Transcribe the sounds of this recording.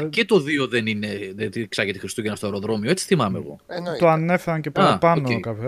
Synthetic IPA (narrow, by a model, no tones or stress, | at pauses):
cet̪o̞ðio̞ðenineðet̪iksɐʝet̪exɾist̪uʝenɐst̪oeɾo̞ðɾo̞mioet͡si̥θimɐmḛɣo̞̰t̪oɐnefeɾɐncepɐpɐnoekɐpço